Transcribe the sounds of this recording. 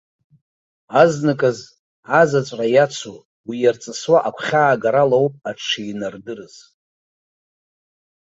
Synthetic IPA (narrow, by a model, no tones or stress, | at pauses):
aznɨkʼaz | azat͡sʷʼrajat͡sʰu | wijart͡sʼɨswaʔakʷʰχʲaːɡaɾalowpʼaʈ͡ʂʰijnardɨrɨz̥